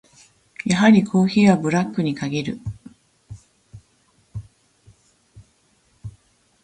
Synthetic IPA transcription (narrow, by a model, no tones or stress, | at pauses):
jaɦaɾʲikʰo̞ːçiːβabɯ̟ɾakːɯ̟ɲ̟ikaɡʲiɾɯ̟